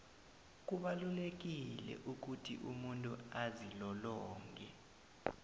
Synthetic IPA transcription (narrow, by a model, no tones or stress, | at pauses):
k̬uɓalulek̬ilɛ̰ʔuk̬utʰḭʔumuntʼuazilɔlɔːŋɡʱɛ